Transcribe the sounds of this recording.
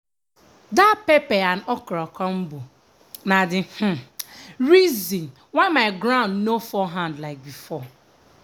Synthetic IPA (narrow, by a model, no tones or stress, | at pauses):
dapepɛanɔkɾɔkɔm̩bu | nadɪh̩ɾizĩn | waɪmaɪɡɾãʊ̃ndnofɔɦãndlaɪk̚bifɔ